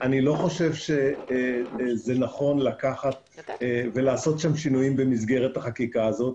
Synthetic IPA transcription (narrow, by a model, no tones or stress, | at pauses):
ʔanilo̞χo̞ʃe̞vʃe̞ | zenaχo̞nlakaχat̪̚ | ve̞laːso̞t̪ʃamʃinujimbe̞mizɡe̞ʁe̞t̪haχakikaːzo̞t̪̚